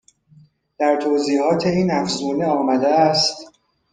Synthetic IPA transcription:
d̪̥æɾt̪ʰoːziːhɒːt̪ʰe̞iːnæfzuːneɒːmæd̪eæst̪

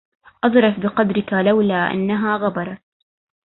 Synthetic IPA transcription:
ʔɑðˤɾˤɑfbɪqɑd̪ɾɪkalawlaːʔa̰nːaɦaːɣabɑɾˤɑ

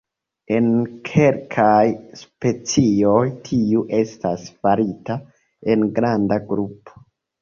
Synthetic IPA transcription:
e̞nkʰe̞lkʰajspe̞t͡sio̞jtʰiuʔe̞stasfaɾita | e̞nɡɾandaɡɾupʰo̥

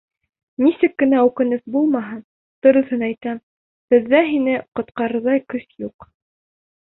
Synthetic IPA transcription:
nisɘkːɘ̆næʉkɘ̆nɘθbulˠmɑɦɤn | t̪ŏɾɤ̆θɤnæjt̪æm | b̥ɘ̆ðːæɦinɘqŏt̪qɑɾɤ̆ðɑjkɵsjuq

